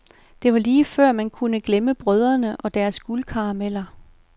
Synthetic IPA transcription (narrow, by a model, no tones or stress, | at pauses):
d̥e̝ʋɑ̈liːfɶɐ̰mænkʰunəɡ̥leməb̥ʁœð̞ˠɐnəʔɒ̽d̥æɐsɡ̥ulkʰɑ̈ɑmel̰ɐ